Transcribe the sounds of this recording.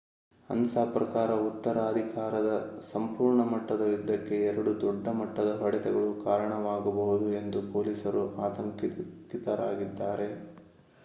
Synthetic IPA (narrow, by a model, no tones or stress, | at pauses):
ɐ̰nsaːpɾɐkaːɾɐut̪ːɐɾaːɐd̪ʱikaːɾɐd̪ɐsɐmpuːɾɳɐmɐʈːɐd̪ɐʋid̪ːɐkːe̞ɛɾɐɽud̪ɔɖːɐmɐʈːɐd̪ɐɦɐɽɛt̪ɛɡɐɭukaːɾɐɳɐʋaːɡɐbɐɦud̪ue̞nd̪upoːlisɐɾuʔaːt̪ɐŋkkit̪ɐɾaːɡid̪ːaːɾe̞